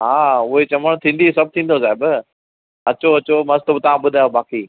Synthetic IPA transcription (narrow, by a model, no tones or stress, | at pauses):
ɦaːʊɦet͡ɕɐməɽ̃t̪ʰĩːnd̪isɐb̚ʱt̪ʰĩːn̆d̪os̬aːɪb | ɐt͡ɕoɐt͡ɕomɐzt̪obɪt̪ɐʋ̤ãɓʊd̪ʱajobaːkiː